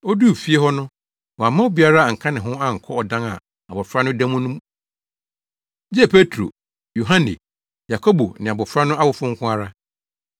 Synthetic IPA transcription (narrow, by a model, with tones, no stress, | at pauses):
ɔ˦du˦˨fi˦e˦hɔ˦nʊ̃˦ | wɔ˨a˨mã˦o˦bi˨a˦ɾa˦a˨ŋ̩˨kʰã˦nɪ̃˨ɦʊ̃˦a˦˨ŋ̩˨kʰɔ˦ɔ˨dã˦ŋa̰˨ | a˨bɔ˨fɾa˦nʊ̃˦dã˦mʊ̃˦nʊ̃˦m | d͡ʑɪ˦ɛ˨pʰe˦tʰɾo̰˨ | jo˨ɦã˦nɪ̰̃˨ | ja˨kʰo˦bo˨nɪ̃˨a˨bɔ˨fɾa˦nʊ̃˦a˦bʊ˨fʊ̃˦ŋ̩˦kʰʊ̃˦a˦ɾa˦